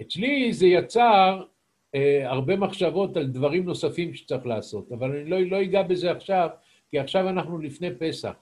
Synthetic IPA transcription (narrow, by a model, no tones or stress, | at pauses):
et͡slize̞jat͡saʁ | aʁbe̞maχʃavo̞t̪ald̪vaʁimno̞safimʃe̥t͡saʁiχlaːso̞t̪avalanilo̞ilo̞iɡabe̞zeaχʃav | kiaχʃavanaχnulifne̞pe̞sa̰χ